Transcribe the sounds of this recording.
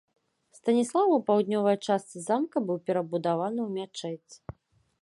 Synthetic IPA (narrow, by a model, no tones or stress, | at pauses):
st̪ɐnʲislˠavɐwpawd̪nʲɔvɐjt͡ʂast̪sɨzamkɐbɨwpʲɛɾɐbud̪avanɨwmʲat͡ʂɛt͡sʲː